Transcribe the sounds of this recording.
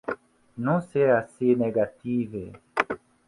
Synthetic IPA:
nũsɛasenɛɡative

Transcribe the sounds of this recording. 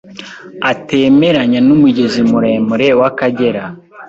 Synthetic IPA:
ate̞ːme̞ɾaɲanumuɟezimuɾe̞ːmuɾe̞wakaɟe̞ɾa

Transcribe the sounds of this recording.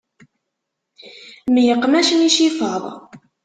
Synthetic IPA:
mjəqːmæʃəniʃifəðˤ

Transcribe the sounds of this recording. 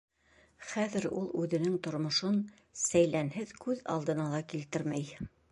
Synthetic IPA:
χæðɘɾulˠʉðɘ̆nɘŋt̪ŏɾmŏʃon | sæjlænɦɘðkʉðɑ̰lˠd̪ɤ̆nɑlˠɑkilt̪ɘɾmæj

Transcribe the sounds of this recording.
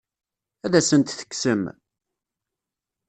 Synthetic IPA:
æðæsənt̪θə̥kːsəm

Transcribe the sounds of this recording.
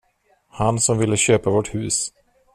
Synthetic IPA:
hansɔmvɪlːəɕøːpavɔʈhʉ̟ːs

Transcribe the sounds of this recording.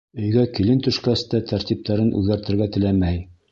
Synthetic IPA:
ɵ̆jɡækilɘnt̪ɵ̆ʃkæst̪æt̪æɾt̪ip̚t̪ʰæɾɘnʔʉ̰ðɡæɾt̪ɘ̆ɾɡæt̪ɘ̆læmæj

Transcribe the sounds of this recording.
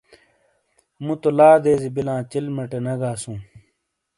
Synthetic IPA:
mũt̪olaːd̪eːzibilãːt͡ɕilmɐʈenɐɡaːsũː

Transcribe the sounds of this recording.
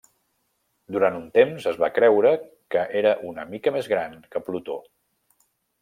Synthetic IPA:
d̪uɾant̪unt̪emzəzβakɾɛwɾə | kəʔeɾəʔunəmikəmezɣɾankəplut̪o

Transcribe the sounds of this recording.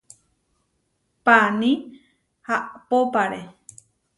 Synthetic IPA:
panĩ | haʔpopaɾe

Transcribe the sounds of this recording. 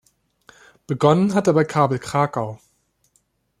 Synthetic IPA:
b̥əɡɔnənɦat̚dabaɪkʰaːbl̩kʁ̥aːkaʊ

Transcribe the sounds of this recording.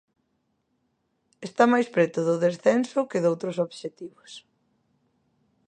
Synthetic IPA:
est̪amajspɾɛt̪ʊðʊðesθɛnsʊkɪðowt̪ɾʊsoβʃet̪iβʊs

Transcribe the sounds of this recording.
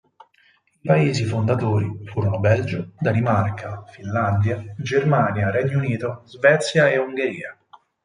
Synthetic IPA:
ipaeːzifond̪at̪oːɾifuːɾonobɛld͡ʒod̪animarkʰafinland̪jad͡ʒermaːnjaɾɛɲːouniːt̪ozvɛt̪sːjaeuŋɡeɾiːa

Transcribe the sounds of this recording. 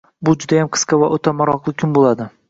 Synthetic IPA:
bʊd͡ʒʊd̪ajamqʰɨ̥sqɑvaʔot̪ʰamaɾɒqlˠɪkʲʰʊnbolˠad̪ɪ

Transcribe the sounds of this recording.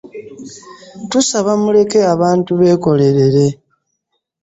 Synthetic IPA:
tusaβamule̞ke̞aβaːntuβe̞ːko̞le̞ɾe̞ɾe̞

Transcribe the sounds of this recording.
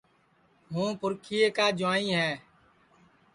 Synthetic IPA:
ɦũːpʊɾkʰiːeːkaːd͡ʒʊãːĩːɦɛː

